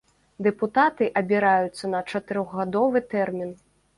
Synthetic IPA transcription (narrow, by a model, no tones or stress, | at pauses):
d̪ɛput̪at̪ɨʔɐbʲiɾajut̪sːɐnɐt͡ʂɐt̪ɨɾɔɣɣad̪ɔvɨt̪ɛrmʲin